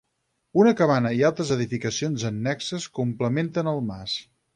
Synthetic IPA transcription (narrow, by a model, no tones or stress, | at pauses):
unəkəβanəialˠt̪ɾəzəðifikəsionzənːɛksəskumpləment̪ənəlˠmas